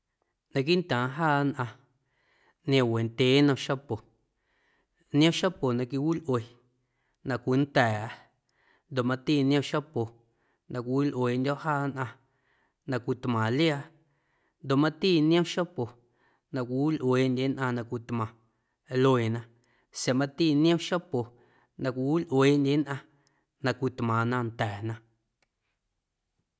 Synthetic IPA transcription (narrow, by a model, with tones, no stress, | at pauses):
nã˧k̬i˦nt̪ãː˨ɦaː˦˨nʔã˧ | nj̃ã˧we˨nt̪ʲe˨˦nã˧ʃa˦po˨ | ñ˦ã˦ʃa˦po˨nã˧k̬i˧wi˦lʔwe˨ | nã˧kʷi˧˨nt̪ɛː˨ʔa˧˨ | nd̪o˨ʔmã˧t̪i˦˨ñ˦ã˦ʃa˦po˨ | nã˧kʷi˧wi˦lʔweː˨ndʲɔ˦ʔhaː˦˨nʔã˧ | nã˧kʷi˧t̪mã˨lja˧˨ | nd̪o˨mã˦t̪iː˦˨ñ˦õ˦ʃa˦po˨ | nã˧kʷi˨u˦lʔweː˨ndʲe˦nʔã˧nã˧kʷi˧t̪mã˨ | lo˧e˨nã˧ | sja˨mã˧t̪i˦˨ñ˦õ˦ʃa˦po˨ | nã˧kʷi˨wu˦lʔweː˨ndʲe˦nʔã˧ | nã˧kʷi˧t̪mã˨nã˧nt̪ɛː˨nã˧